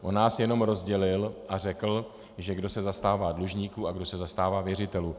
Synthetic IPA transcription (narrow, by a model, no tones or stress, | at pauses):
ʔonːaːsjɛno̞mɾo̞zɟɛlɪlʔar̝ɛkl̩ | ʒɛɡdo̞sɛzast̪aːvaːdluʒɲiːkuaɡdo̞sɛzast̪aːvaːvjɛrɪt̪ɛluː